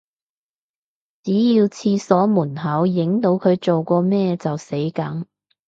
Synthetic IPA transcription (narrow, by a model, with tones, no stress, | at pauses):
t͡siː˨˥jiː˧wt͡sʰiː˧sɔː˨˥muː˨˩nɦɐ˨˥wjɪ˨˥ŋt̪o˨˧wkʰɵ˨˧ɥt͡so˨wkɔː˧mɛː˥t͡sɐ˨wse˨˥jkɐ˨˥ŋ